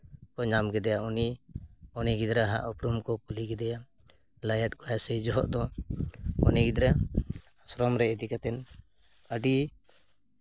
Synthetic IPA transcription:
kɔɲamɡɛd̪ɛjauni | ɔniɡid̪ɾaɦa̰ʔɔpɾumkɔkuliɡɛd̪ɛja | lajat̪̚kɔjasɛd͡ʒɔɦɔ̰ʔd̪ɔ | ɔ̰niɡid̪ɾa | asɾɔmɾɛɛd̪ikat̪ɛn | əɖi

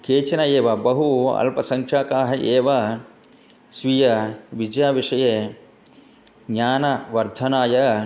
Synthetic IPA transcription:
keːt͡ʃɐnɐeːʋɐbɐɦuɐ̰lpɐsɐŋkʂaːkaːɦɐʔeːʋɐ | sʋijɐʋid͡ʒjaːʋiʂɐjeː | ɡɲaːnɐʋɐɾd̪ʱɐnaːjɐ

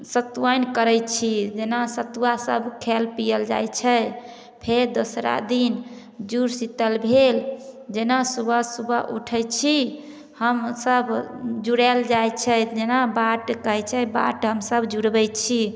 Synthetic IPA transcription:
sət̪uwənkəɾɛt͡ʃʰid͡ʒenasət̪uwasə̰bkʰelpijəld͡ʒa̰jt͡ʃʰɛ | pʰeɾd̪osɾa̰d̪in | d͡ʒuɾsit̪əlbʱeld͡ʒenasubʱəsubʱəʔṵʈʰət͡ʃʰi | həmsəbd͡ʒuɽɛld͡ʒajt͡ʃʰɛd͡ʒenabaʈkəɦɛt͡ʃʰɛba̰ʈɦəmsəbd͡ʒuɽbɛt͡ʃʰi

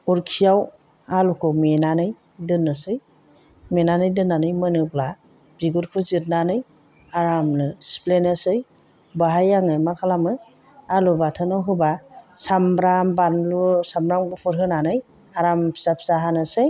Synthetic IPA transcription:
uɾkʰijaw | alukʰɯwmenanɯj | dɯnɯsɯj | menanɯjdɯnːanɯjmɯnɯbla | b̥iɡuɾkʰɯzit̚nanɯj | aɾamlɯsplenɯsɯj | baɦajaŋɯmakʰalamɯ | alubatʰɯnawɦɯbasambɾambanlusambɾamɡɯpʰɯɾɦɯnanɯj | aɾampʰsap̚ʰsaɦanɯsɯj

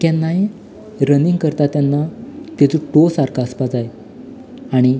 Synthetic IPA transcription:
kãnːae | ɾəniŋɡkəɾt̪at̪janːat̪et͡suʈosaɾkʰaəspad͡zaj | aɽ̃i

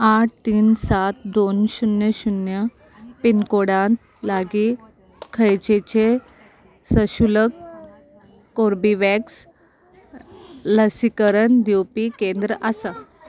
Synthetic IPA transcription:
aʈ̚ʰt̪iːnsat̪d̪onɕunjəɕunjə | pinkoɽãnt̪ | laɡiː | kʰəjt͡ɕet͡ɕe | səɕulək | oɾbiʋɛks | ləsikəɾənd̪juwpikẽnd̪ɾəʔasa

